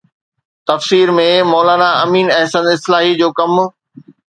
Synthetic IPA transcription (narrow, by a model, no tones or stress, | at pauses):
t̪ɐfsiːɾmẽmɔːlaːnaɐmiːnɐɦsənɪslaːɦid͡ʑoːkɐm